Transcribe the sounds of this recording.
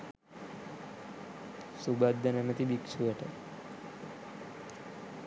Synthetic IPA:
subad̪ːənɛmət̪ibikʃuʋəʈə̰

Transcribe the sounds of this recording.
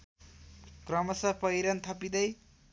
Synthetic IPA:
krʌmʌsʌpʌjɾʌnt̪ʰʌpid̪ʌj

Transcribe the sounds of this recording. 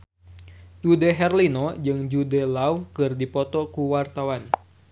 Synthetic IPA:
d͡ʒudɛɦɛrlinɔd͡ʒɨŋd͡ʒudɛlaukɨrdipɔt̪ɔkuwart̪awan

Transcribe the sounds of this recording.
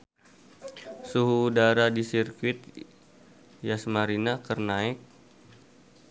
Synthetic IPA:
suɦuːdaɾadisirkwɪt̪̚ | jasmaɾinakərnaɪk̚

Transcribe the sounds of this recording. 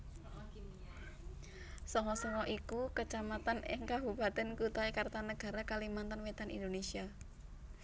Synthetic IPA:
sɔŋɔsɔŋɔʔikukət͡ʃamat̪anɪ̰ŋkabuba̤d̪ənkut̪aikart̪anəɡ̥a̤ɾakalimant̪ənwet̪anḭnd̪onesia

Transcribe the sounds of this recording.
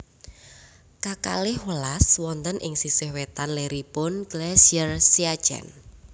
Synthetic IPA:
kaka̰lɪhwəlaswɔnt̪ənʔɪŋsisehwet̪anleɾipʊnɡ̥lɛsiərsiḁd͡ʒɛ̰n

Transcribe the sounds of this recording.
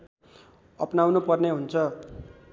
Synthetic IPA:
ʌpnawnupʌrneɦunt͡sʰʌ

